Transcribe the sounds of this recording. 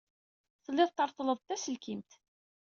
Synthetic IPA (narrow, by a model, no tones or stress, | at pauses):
θəlːɪðˤt̪ːəɾˤt̪ˤləðˤt̪ːæsəlkimt̪